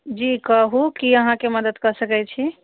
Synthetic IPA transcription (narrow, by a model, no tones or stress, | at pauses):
d͡ʒikəɦukiəɦãkeməd̪əd̪kəɾsəkɛt͡ʃʰi